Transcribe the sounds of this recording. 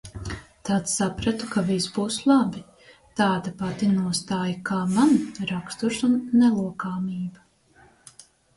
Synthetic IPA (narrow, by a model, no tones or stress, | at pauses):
t̪at̪ssapɾat̪ukavisbuːslˠabi | t̪aːd̪apat̪inuɔst̪aːjakaːmanɾakst̪uʃunːɛlˠuɔkaːmiːba